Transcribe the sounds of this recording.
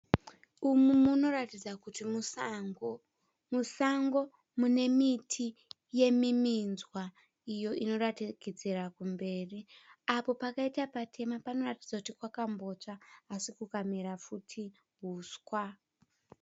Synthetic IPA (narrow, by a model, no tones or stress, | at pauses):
umumuno̞ratid͡zakuti | musaŋɡo̞ | mune̞mitʰi | je̞miminzwa | ijo̞ʔino̞ratikid͡zerakumbe̞ːriapo̞pakaitapatʰe̞mapano̞ratid͡zakutikwakambo̞t͡ʂaːsikukamiɾafutʰi | ɦuːskwa